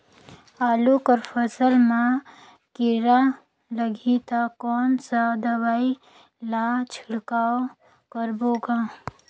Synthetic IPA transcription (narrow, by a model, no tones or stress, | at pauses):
aːlukəɾpʰəsəlmã | kiɾa | ləɡʱit̪akɔːnsad̪əβaːi | lat͡ʃʰɪɽkaːo | kəɾboːɡa